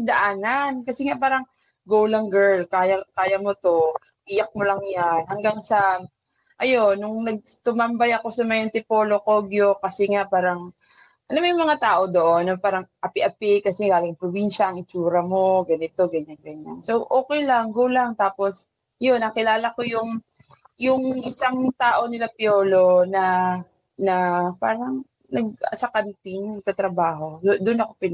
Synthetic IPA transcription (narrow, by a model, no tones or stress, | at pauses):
d̪ɐʔaːnankɐsɛŋapaːɾɐŋ | ɡowlɐŋɡɛɹlkaːjɐkaːjɐmo̞t̪o̞ | ʔiːjɐk̚molɐŋjanhɐŋɡaŋsɐ | ʔɐjo̞nːʊŋnɐɡ̚t̪ʊmambajɐko̞sɐmɐjɐnt̪ɪpo̞ːlokoɡjo̞kɐsɛŋapaːɾɐŋ | ʔɐnomɐjmɐŋat̪aːʔo̞d̪o̞ʔonːɐpaːɾɐŋʔɐpɪʔɐpɪkɐsɛɡaːlɪŋɐŋpɾobinʃɐʔɐŋɪt͡ʃuːɾɐmo̞ɡɐnɪt̪o̞ɡɐɲanɡɐɲanso̞wʔoːkɛjlɐŋhulaŋt̪aːpo̞s | jo̞nʔɐŋkɪlaːlɐko̞jʊŋ | jʊŋʔɪsaŋt̪aːʔo̞nɪlapjoːlo̞nɐ | nɐpaːɾɐŋ | nɐɡ̚ɐsɐkɐnt̪ɪŋmɐɡ̚kɐt̪ɾɐbaːɦo̞d̪ʊnɐkopɪn